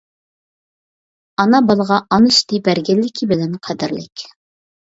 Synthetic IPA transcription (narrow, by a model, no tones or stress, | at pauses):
ɑnɑbɑlˠʁɑʔɑnɨʃt̪ɨbæɾɡʲɛlːɪkʲʰibɪlɛnqʰæd̪ɪɾlɪ̰kʲ